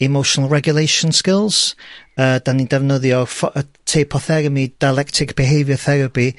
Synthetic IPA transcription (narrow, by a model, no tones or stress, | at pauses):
ɛmowʃɔnəlˠɹɛɡjʊlejʃənskɪlˠz̥əːd̥anindɛvnəðjɔfɔətʰejpʰɔθɛɾəmid̥ajlɛktʰɪkb̥ɪɦejvjəθɛɾəpi